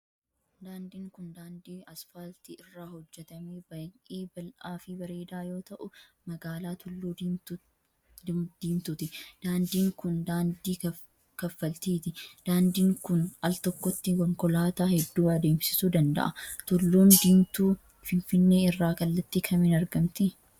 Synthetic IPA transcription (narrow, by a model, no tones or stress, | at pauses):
d̪aːnd̪iːŋkʊnd̪aːnd̪iːɐsfɐlt̪ɪɪrːaːhɔd͡ʒːɛt̪ɐmeːbɐʔeːbɐlʔaːfɪbɐɾeːd̪aːjo̞ːt̪ɐʔʊmɐɡaːlaːt̪ʊlːuː | d̪̥iːnt̪ʊt̪ɪd̪̥aːnd̪iːŋkʊnd̪aːnd̪iː | kɐfːɐlt̪iːt̪ɪd̪̥aːnd̪iːŋkʊnʔɐlt̪ɔkːɔt̪ːɪkɔŋkɔlaːt̪aːhɛd̪ːuːɐd̪e̞ːmsɪ̥suːd̪ɐnd̪ɐ̰ʔɐt̪ʊlːuːmd̪iːmt̪uː | fɪnfɪnːe̞ːɪrːaːkɐlːɐt̪ːɪkʰɐmɪnɐɾɡɐmt̪ɪ